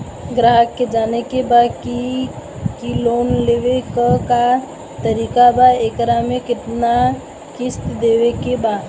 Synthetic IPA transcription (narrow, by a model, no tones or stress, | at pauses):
ɡɾaɦəkːed͡ʒanekebaki | kilonleʋekəka | t̪əɾikabaekɾamekiʈna | kist̪d̪ewekeba